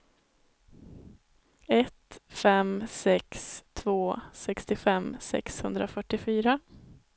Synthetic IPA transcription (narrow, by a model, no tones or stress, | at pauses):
ɛt̪fɛmsɛkst̪ʰvoːsɛkst̪ɪfɛmsɛ̰kshɵnd̪ɾafœʈːɪfyːɾa